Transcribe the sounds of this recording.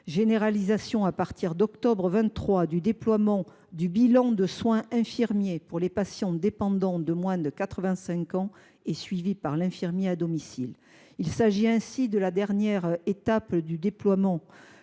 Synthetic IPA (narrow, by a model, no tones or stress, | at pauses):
ʒeneʁalizasjɔ̃apaʁt̪iʁd̪ɔkt̪ɔbʁəvɛ̃nt̪ːχwad̪yd̪eplwamɑ̃ | d̪ybilɑ̃d̪əswɛ̃ʔɛ̃fiʁmjepuʁlepasjɑ̃d̪epɑ̃d̪ɑ̃d̪əmwɛ̃d̪əkat̪χəvɛ̃sɛ̃kɑ̃ | esɥivipaʁlɛ̃fiʁmjead̪ɔmisil | ilsaʒiɛ̃sid̪əlad̪ɛʁnjɛʁet̪apd̪yd̪eplwamɑ̃